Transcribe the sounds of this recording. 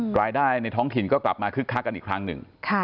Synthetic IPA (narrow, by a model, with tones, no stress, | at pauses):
ɾaː˧jdaː˥˩jna˧jt̪ʰɔː˦˥ŋt̪ʰi˨˩nkɔː˥˩kla˨˩p̚maː˧kʰɯ˥˩kʰːaː˦˥ka˧nʔiː˨˩kʰɾa˦˥ŋnɯ̰˨˩ŋkʰa˥˩